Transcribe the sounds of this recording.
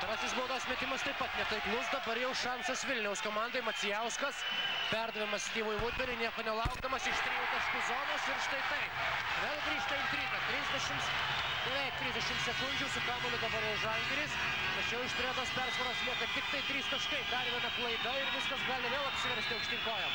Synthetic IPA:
t̪ɾɑːsʲɪsbʊʋɔt̪oːsmʲɛt̪ʲɪmɐst̪ɐɪpɐt̪nʲɛt̪ɐɪklˠʊsd̪ɐbɐɾjɛʊʃɑnsɐsʋʲɪlʲnʲɛʊskoːmɑnd̪oɪmɐt̪sʲɪjɛʊskɐs | pʲɛɾd̪ɐʋʲɛmɐsst̪ʲiːʋojʋuːd̪ʲʋʲɛɾʲɪnʲiɛkoːnʲɛlˠɐʊɡd̪ɐmɐsɪʃst̪ʲɾʲeːjɛʊt̪ɐʃkʊzoːnoːsɪɾɪʃt̪ɐɪt̪ɐɪpʋʲeːlˠɡɾʲiːʃt̪ɐɪt̪ʲɾʲiːzɐt̪ʲɾʲɪzʲd̪ʲɛʃʲɪm | nʊʋʲɛɪt̪ʲɾʲɪzʲd̪ʲɛʃʲɪmsʲɛkʊnʲd͡ʒʲʊsʊkɑːmoːlʲʊd̪ɐbɐɾjɛʊʒɐŋʲɡʲɛɾʲiːs | mʲɐsjɛʊɪʃt̪ʲɾʲæːd̪oːspʲɛɾsʋɐɾoslʲiːk̪ɐt̪ʲɪkt̪ɐɪt̪ʲɾʲiːst̪ɐʃkɐɪd̪ɐɾʋʲiɛnɐplˠɐɪd̪ɐɪɾʋʲɪskɐsɡɑːlʲɪʋʲeːlˠɐpʲsʲɪʋʲɛɾʲsʲt̪ʲɪʊʃʲt̪ʲɪŋkoːjɛm

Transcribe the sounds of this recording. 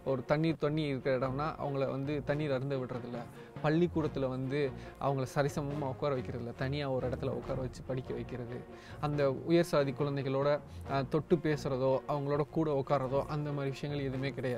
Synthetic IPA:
ɔɾɯt̪ɐɳːiːɾt̪ɔɳːiɐɪɾɯkːɪɾɐɪɽɐmnːaːʔɐ̰ʋɐŋɡɐɭʋɐ̰nd̪ɯt̪ɐɳːiːɾɐɾɯnd̪ɐʋɪʈrɐðɪlːɐ | pɐɭːikːuːɽɐt̪ːɪlɐʋɐnd̪ɯʔɐ̰ʋɐŋɡɐɭɐsɐɾɪsɐmɐmɔkːaːɾɐʋɐɪkːɪɾɐðɪlːɐt̪ɐɳːɪjaːɔɾɪɽɐt̪ːɪlɐɔ̰kːaːɾɐʋɐt͡ʃːɯpɐɽɪkʲːɐʋɐɪkːɪɾɐðɯ | ɐnd̪ɐʊjɐɾsaːðikːʊɻɐnd̪ɛɪɣɐɭoːɽɐt̪ɔʈːɯpeːsɯɾɐðoːʔɐʋɐŋɡɐɭoːɽɐkuːɽɐɔkːaːɾɾɐðoːʔɐnd̪ɐmaːd̪ɾɪʋɪʂɐjɐŋɡɐɭɛðɯmeːkɪɽɐjaːð

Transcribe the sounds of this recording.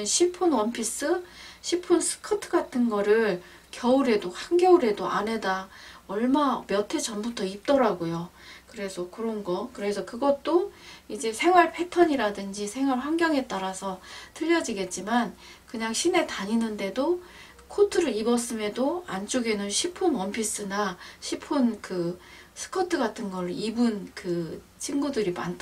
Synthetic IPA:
ɯnɕʰipʰunwʌnpʰis͈ɯɕʰipʰunsʰɯ̥kʰɯtʰɯɡatʰɯnɡʌɾɯɭ | kjʌuɾe̞dohaŋɡjʌuɾe̞doʔane̞daʌɭmamjʌtʰe̞t͡ɕʌnmbutʰʌip̚t͈ʌɾaɡojokɯɾe̞sʰʌkɯɾʌnɡʌkɯɾe̞sʰʌkɯɡʌt̚t͈oid͡ʑe̞sʰe̞ŋwaɭpʰe̞tʰʌɲiɾadɯnd͡ʑisʰe̞ŋwaɭɸwaŋɡjʌŋɦe̞t̚t͈aɾasʰʌtʰɯʎːʌd͡ʑiɡe̞t̚t͡ɕ͈iman | kɯɲaŋɕʰine̞taɲinɯnde̞do | kʰotʰɯɾɯɾibʌs͈ɯme̞doant͡ɕ͈oɡenɯnɕʰipʰunʌmpʰis͈ɯnaɕʰipʰɯnkɯ | sʰɯ̥kʰʌtʰɯɡatʰɯnɡʌɾoibɯnkɯ | t͡ɕʰinɡudɯɾima̰ntʰ

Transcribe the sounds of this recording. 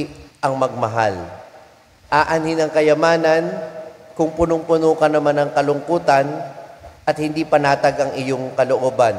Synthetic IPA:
ʔɐŋmɐɡ̚mɐɦa̰l | ʔaːʔanhɪnɐŋkɐjɐmaːnɐnkʊŋpʊnʊŋpʊnoːkɐnɐmanɐŋkɐlʊŋkuːt̪ɐnʔɐt̪̚hɪnd̪iːpɐnaːt̪ɐɡʔɐŋʔɪjoŋkɐloʔoːban

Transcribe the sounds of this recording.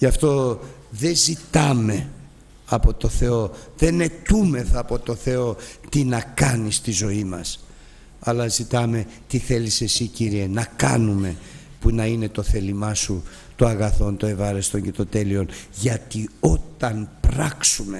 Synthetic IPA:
ʝɐft̪o̞ | ðe̞zit̪ɐme̞ | ɐpo̞t̪o̞θe̞o̞ðe̞ne̞t̪ume̞θɐːpo̞t̪o̞θe̞o̞t̪inɐkɐnist̪izo̞imɐs | ɐlɐzit̪ɐme̞t̪iθe̞lise̞siciɾie̞nɐkɐnume̞ | punɐine̞t̪o̞θe̞limɐsu | t̪oɐɣɐθo̞nt̪oe̞vɐɾe̞st̪o̞ɲce̞t̪o̞t̪e̞lio̞nʝɐt̪io̞t̪ɐnpɾɐksume̞

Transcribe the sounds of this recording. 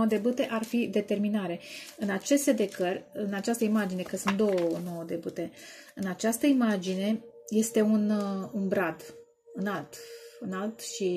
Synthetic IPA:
od̪e̞but̪e̞ʔarfid̪e̞t̪e̞rminaɾe̞ɨnat͡ʃe̞st̪e̞d̪e̞kərʲɨnat͡ʃast̪əimad͡ʒine̞kəsunt̪̚d̪o̞wəno̞wəd̪e̞but̪e̞ɨnat͡ʃast̪əimad͡ʒine̞ | je̞st̪e̞ununbɾad̪ | ɨnalt̪ɨnalt̪ʃi

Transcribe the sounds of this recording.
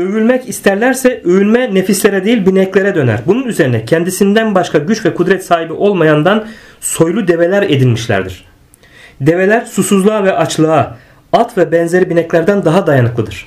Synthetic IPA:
øvylʲmɛcist̪ʰæɾlʲæɾsɛøjynmɛne̞fislʲe̞ɾɛd̪ejilʲbinɛclʲe̞ɾɛd̪ø̞næ̰ɾbununyze̞ɾinɛcʰɛnd̪isind̪ænbaʃkʰaɟyt͡ʃvɛkʰud̪ɾɛt̪saːɦibiʔo̞lˠmajand̪anso̞jlˠud̪e̞ve̞lʲæɾe̞d̪ilʲmiʃlʲæ̰ɾd̪ḭɾ̥ | d̪e̞ve̞lʲæɾsusuzlˠaːvɛʔat͡ʃlˠaː | at̪vɛbɛnze̞ɾibinɛclʲæɾd̪ænd̪aɦad̪ajanɯklˠɯd̪ɯɾ̥

